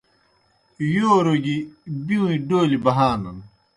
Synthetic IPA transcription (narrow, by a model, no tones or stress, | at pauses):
joːɾoɡibiwĩɖoːlibɐɦaːnɐn